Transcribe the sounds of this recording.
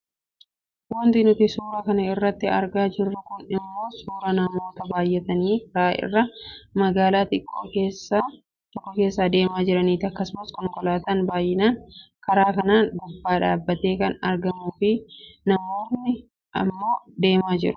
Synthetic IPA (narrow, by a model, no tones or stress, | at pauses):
wɔnt̪ɪnʊt̪ɪsuːɾakɐnɐɪrːɐt̪ːɪɐ̰ɾɡaːd͡ʒɪrːʊkʊnɪmːo̞ːsuːɾɐnɐmo̞ːt̪ɐbaːjːɛt̪ɐniːkɐɾaːʔɪ̰rːɐmɐɡaːlaːt̪ɪkʼːoːkeːsːa | t̪ɔkːɐke̞ːsːaːd̪e̞ːmaːd͡ʒɪɾɐniːt̪ɪɐkːɐsʊmɐskɔŋkɔlaːt̪ɐnbaːjʔɪnaːŋkɐɾaːkɐnaːnɡʊbːaːᶑaːbːɐt̪e̞ːkɐnɐ̰ɾɡɐmuːfɪnɐmo̞ːnːɪ | ʔɐ̰mːo̞ːd̪e̞ːmaːd͡ʒɪ̰ɾʊ̥